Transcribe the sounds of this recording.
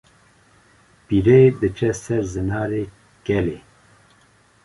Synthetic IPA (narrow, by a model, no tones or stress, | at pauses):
piɾeːd̪ɨt͡ʃʰɛsɛɾzɨnɑːɾeː | kɛleː